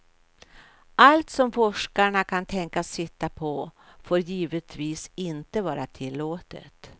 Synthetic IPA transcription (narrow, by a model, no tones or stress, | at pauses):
ʔalt̪sɔmfɔʂkaɳakʰant̪ʰɛŋkasɪt̪ːapʰɔ | foːɾjiːvət̪ʰviːsɪnt̪əvɑːɾat̪ʰɪlːoːt̪ə̰t̪